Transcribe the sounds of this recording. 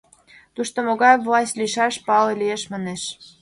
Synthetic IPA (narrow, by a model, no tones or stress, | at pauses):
t̪uʃt̪omoɣɑjvlˠɑsʲtʲlʲiʃɑʃpɑlelʲijeʃmɑneʃ